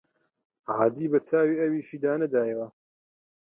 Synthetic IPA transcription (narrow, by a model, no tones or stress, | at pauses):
ʕaːdiːbɐt͡saːwiːɐwiːʃiːd̪aːnɐd̪aːjɐwɐ